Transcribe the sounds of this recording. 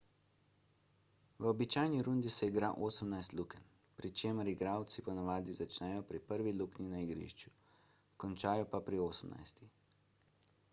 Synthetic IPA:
ʋəɔbit͡ʃaːjniɾund̪isɛiɡɾaʔoːsəmnajst̪lukɛn | pɾit͡ʃeːməɾiɡɾaːwt̪sipɔnaʋaːd̪izat͡ʃnɛjɔpɾipəɾʋilukninaiɡɾḭʃt͡ʃu̥ | kɔnt͡ʃaːjɔpapɾioːsəmna̰jst̪ix

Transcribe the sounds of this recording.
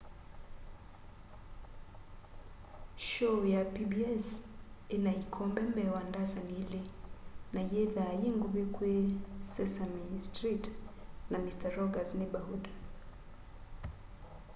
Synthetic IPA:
ʃɔjapibiɛsinaikʰɔmbɛmbɛwandazaniilinajɛðaːjiŋɡuβekwesɛsamistɾitnamistaɾɔɡaznibahuda

